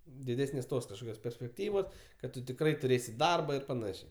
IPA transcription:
dʲɪˈdʲæːsʲnʲeːs ˈtoːs kɐʃˈkoːkʲoːs pʲɛrʲsʲpʲɛkˈtʲiːʋoːs kɐt ˈtʊ tʲɪkˈrɐɪ tʊˈrʲeːsʲɪ ˈdɐrbɐ ɪr pɐˈnɑːʃʲeː

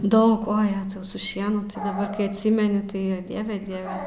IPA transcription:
ˈdɐʊk ˈoː ˈjæːtɐʊ sʊ ˈʃʲiɛnʊ tɐɪ dɐˈbɐr kɐɪ ɐtʲˈsʲɪmʲɛnʲɪ ˈtɐɪ ˈdʲiɛʋʲɛ ˈdʲiɛʋʲɛ

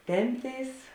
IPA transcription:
ˈtʲɛmʲpʲˌtʲeːɪs

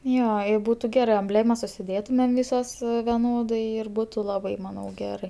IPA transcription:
ˈjoː ɪ ˈbuːtʊ ˈɡʲæːrɜ ɐmʲˈbʲlʲeːmɐs ʊʃʲsʲɪˈdʲeːtʊmʲɛm ˈʋʲɪsoːs ʋʲɛˈnoːdɐɪ ɪr ˈbuːtʊ ˈlˠɑːbɐɪ ˈmɑːnɐʊ ˈɡʲæːrɐɪ

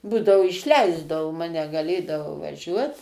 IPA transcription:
ˈbuːdɐʋoː ɪʃʲˈlʲɛɪzdɐʋoː ˈmɑːnʲɛ ɡɐˈlʲeːdɐʋɐʊ ʋɐˈʒʲuɔt

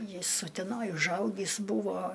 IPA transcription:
ˈjɪs ʊtʲɛˈnoːj ʊʒˈɐʊɡʲiːs ˈbuːʋoː

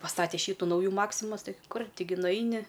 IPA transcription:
pɐˈstɑːtʲɛ ˈʃʲiːtʊ ˈnɐʊjuː ˈmɑːksʲɪmɐs ˈtɐɪ ˈkʊrʲ ˈtʲɪˈɡʲɪ nʊˈɐɪnʲɪ

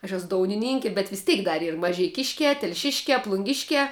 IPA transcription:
ɐʃ ˈæːsʊ ˈdoːʊnʲɪnʲɪŋʲkʲɪ bʲɛt ʋʲɪs ˈtʲɛɪk dɐr ˈiːr mɐʒʲɛɪˈkʲɪʃʲkʲæː tʲɛlʲˈʃʲɪʃʲkʲæː plˠʊŋʲˈɡʲɪʃʲkʲæː

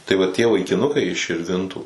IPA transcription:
tɐɪ ʋɐ ˈtʲiɛ ʋɐɪkʲɪˈnʊkɐɪ ɪʃ ʃʲɪrʲˈʋʲɪntuː

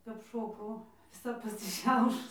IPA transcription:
kɐp ˈʃoːkɐʊ ʋʲɪˈsɐ pɐsʲɪˈʃʲɛʊʃʊs

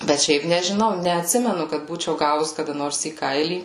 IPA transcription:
bʲɛt ˈʃʲɛɪp nʲɛʒʲɪˈnɐʊ nʲɛɐtʲˈsʲɪmʲɛnʊ kɐt ˈbuːt͡ʃʲɛʊ ˈɡɑːʋʊs kɐˈdɐ ˈnoːrs iː ˈkɐɪlʲiː

